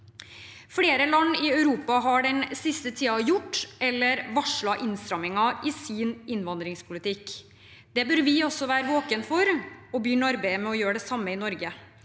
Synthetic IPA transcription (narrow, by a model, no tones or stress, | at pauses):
fleːɾəlɑnːɪœʉɾuːpɑɦɑɖɛnsɪst̪ət̪ʰiːɑjʊʈːɛlːəɾʋɑʂɭɑʔɪnst̪ɾɑmɪŋɑʔɪsɪːnɪnʋɑnd̪ɾɪŋspʰʊlɪt̪ɪk | d̪̥ɛbœɾʋɪɔsːɔʋæːɾəʋoːkənfɔɾɔbjʏnɑɾbeɪəmɛɔjøːɾɖɛsɑmːəɪnɔɾɡə